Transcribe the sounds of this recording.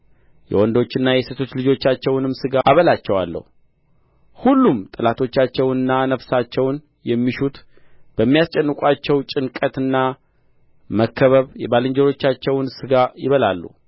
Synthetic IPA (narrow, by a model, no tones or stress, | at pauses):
jɛ̰wɔnd̪o̞t͡ʃːɨnːajɛset̪ʰo̞t͡ʃːlɨd͡ʒo̞t͡ʃːat͡ʃːɛwnɨmsɨɡaaβəlat͡ʃːɛwa̰lːə̰hu | hulːumt̪ʼɨlat̪ʰo̞t͡ʃːat͡ʃːɛwɨnːanəfsat͡ʃːɛwn | jɛmːiʃut̪ | b̥əmːijast͡ʃʼɛnːɨkʼat͡ʃːɛwt͡ʃʼɨnkʼət̪ɨnːa | məkʰːəβəβjɛbalɨɲd͡ʒɛɾo̞t͡ʃːat͡ʃːɛwnsɨɡajɪβəlalːṵ